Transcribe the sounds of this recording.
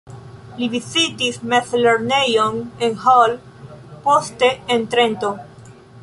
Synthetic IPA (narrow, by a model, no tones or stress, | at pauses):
livizitismeθleɾnejonenhol | post̪eent̪ɾent̪o